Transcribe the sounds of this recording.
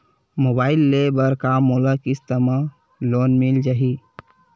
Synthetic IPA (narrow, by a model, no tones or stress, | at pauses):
mobaːɪlːebəɾkamolakist̪əma | lonmild͡ʒaɦi